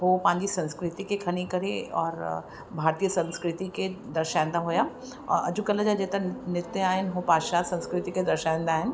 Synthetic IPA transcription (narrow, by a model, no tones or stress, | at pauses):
ɦopãːɲd͡ʒisɐ̃nskɾɪt̪ikekʰɐñikɐɾeɔːɾ | bʱaːɾt̪ijəsɐ̃nskɾɪt̪iked̪ɐɾʃãːnd̪aɦoːja | ɔ̰ːɾɐ̰d͡ʒukɐləd͡ʒad͡ʒeːt̪ɐnɪt̪jəaːẽnɦopaːʃaːsɐ̃nskɾɪt̪iked̪ɐɾʃãːnd̪aːen